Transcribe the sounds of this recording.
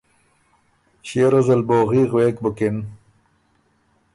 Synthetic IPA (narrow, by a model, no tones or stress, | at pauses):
ɕeːɾɐzɐlboːɣiɣweːk̚bʊkɪn